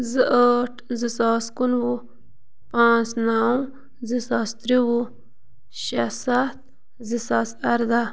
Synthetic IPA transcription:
zəʔəʈzisaːskunwu | pãːsnaːw | zisaːst̪ɾiwu | ɕasat̪̚ | zisaːsaɾd̪a

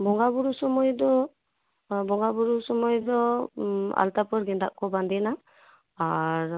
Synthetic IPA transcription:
bɔŋɡabuɾusɔmɔjdɔ | bɔŋɡabuɹusɔmɔjdɔ | a̰ltapɔɾɡɛndaʔkːɔbandɛna | aɹ

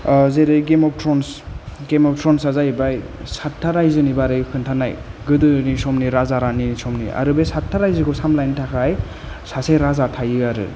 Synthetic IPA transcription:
zeɾɯɡemɔp̚tɾɔnsɡemɔp̚tɾɔnsazajbajsatʰːaɾajzɯnibaɾɯjkʰɯntʰanajɡɯdɯnisɔmniɾazaɾanisɔmnḭʔa̰ɾɯbesatʰːaɾajzɯkʰɔsamlajnitʰakʰaj | sasejɾazatʰajɯaɾɯ̰

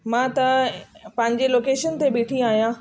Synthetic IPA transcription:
mãːt̪ɐpɐ̃ɦɪ̃ɲ̆d͡ʑeloːkeːʃənt̪eɓeːʈʰiaːɦijãː

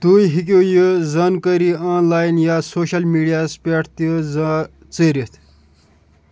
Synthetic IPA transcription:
t̪uːjɦik̬ojɨzɐnkəɾiːaːnlaːjnjaːsoːʃɐlmiːɖijaːspʲeʈʰt̪iz | t͡səːɾit̪ʰ

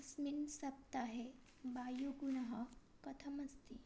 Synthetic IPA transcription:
sminsɐp̚t̪aɦe | bajoɡunəɦəkət̪ʰəməd͡zt̪i

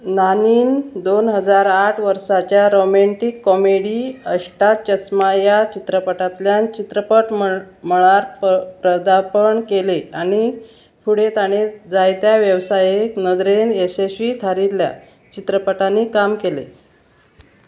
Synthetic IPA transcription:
naniːnd̪onɦəd͡zaɾaʈʰʋəɾsat͡ɕjaɾomeɳʈikːɔmeɽiəɕʈat͡ɕəsmajat͡ɕit̪ɾəpəʈat̪ljant͡ɕit̪ɾəpəʈ | məɭaɾppɾəd̪apəɳkeleaɽ̃i | fʰuɽet̪aɽ̃ed͡zajt̪jaʋjəʋsajeknəd̪ɾenesesʋiːt̪ʰaɾilːja̰ | t͡ɕit̪ɾəpəʈanːikamkelḛ

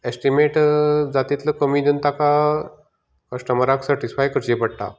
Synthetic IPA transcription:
esʈimeʈd͡zat̪it̪ləkəmiːd̪ent̪aka | kəsʈəməɾaksəɾʈisfajkəɾd͡ʑepəɽʈ̪a̰

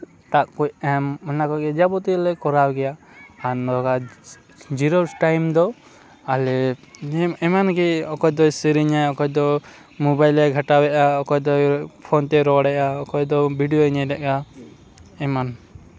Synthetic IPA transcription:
t̪aʔkucɛmɛnakɔɡɛd͡ʒabɔt̪ilɛkɔɾawɡɛja | anɔɔka | d͡ʒiɾɔʈajmd̪ɔ | alɛ | ɛmanɡɛɔkɔjd̪ɔsiɾiɲajɔkɔjd̪ɔ | mɔbajlɛɡʱaʈawɛʔaɔkɔjd̪ɔpʰɔnt̪ɛɾɔɽɛʔaɔkɔjd̪ɔbiɖijoɛɲɛɾɛʔka | ɛman

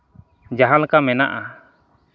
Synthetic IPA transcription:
d͡ʒaɦalkamɛnaʔa

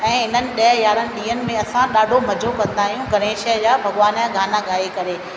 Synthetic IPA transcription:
ɛ̃ːɦɪnənɪ̆ɗɐɦjaːɾənɪ̆ɗiːənɪ̆mẽɐsãɗaːɖʱomɐd͡ʑʱokɐ̃nd̪aːɦijũɡɐɾẽːʃəd͡ʑaːbʱɐɠʋaːnãɡʱaːnaɠaːekɐɾeː

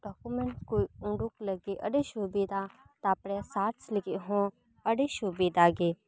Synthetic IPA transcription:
ɖɔːkumẽɳʈkoːiʊ̃ɳɖukləɡeʔəɖeʃubeːd̪a | t̪aːpɽɛsaːʈslɪkeɦõː | əɖeːʃubeːd̪aːɡeː

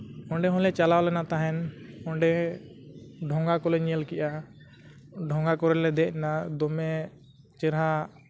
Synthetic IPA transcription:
ɔ̃ɳɖɛɦɔ̃lɛt͡ʃalawlɛnat̪aɦɛnɔ̃ɳɖɛ | ɖʱɔ̃ŋɡakɔlɛɲiəlkɛʔa | ɖʱɔ̃ŋɡakɔɾɛlɛd̪ɛʔ̚nad̪ɔmɛ | t͡ʃɛɾɦa

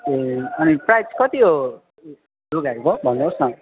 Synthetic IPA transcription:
eʌniprajskʌt̪io | ɾuɡakobʱʌnːosʌ̃

